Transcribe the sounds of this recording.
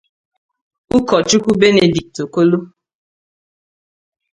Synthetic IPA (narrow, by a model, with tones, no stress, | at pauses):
u˦kɔ˨t͡ʃu˦ku˦be˦ne˨di˨k̚to˨ko˦lo˦